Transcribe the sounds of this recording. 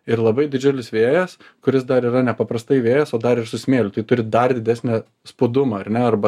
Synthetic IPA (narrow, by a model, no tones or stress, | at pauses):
ɪrlˠɐbɐɪd̪ʲɪd͡ʒʲʊlʲɪsʋʲeːjɛs | kʊɾʲɪsd̪ɐɾiːɾɐnʲɛpɐpɾɐst̪ɐɪʋʲeːjɛsoːd̪ɐɾɪrsʊsʲmʲeːlʲʊt̪ɐɪt̪ʊɾʲɪd̪ɐrd̪ʲɪd̪ʲæsʲnʲɛ | spʊd̪ʊmɐɐrnʲɛɐɾbɐ